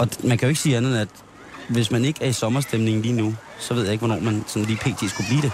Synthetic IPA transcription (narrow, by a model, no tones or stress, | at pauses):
ʔɒ̽mænkʰæjoe̝ɡ̥siːænð̩ˠæd̥ | ʋe̝smæne̝ɡ̥æɐisɒ̽mɐsd̥emne̝ŋn̩liːnu | sɒʋe̝ð̞̰ˠjɑ̈e̝ɡ̥ʋɒ̽nɒ̰ːmænsɒ̽nliːpʰe̝̰ːt͡sʰe̝̰ːsɡ̥ub̥liːɾ̥e̝